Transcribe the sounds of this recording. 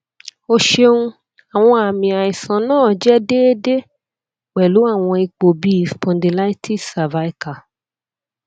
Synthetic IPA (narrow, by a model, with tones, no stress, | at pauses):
o˧ʃe˧ũ˦ | a˨w̃ɔ̃˧a˨mĩ˨a˨i˨sã˨nãː˦˨d͡ʒɛ˦de˦de˦ | k͡pɛ˨lu˨˦a˦˨w̃ɔ̃˧i˧k͡po˨bi˦˨fpɔ̃˧ndi˨la˦i˦ti˦sa˨va˦i˦ka˨